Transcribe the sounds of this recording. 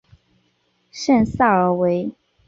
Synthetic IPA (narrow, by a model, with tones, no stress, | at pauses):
ʂə˥˩nsa˥˩ə˧˥we˧˥ɪ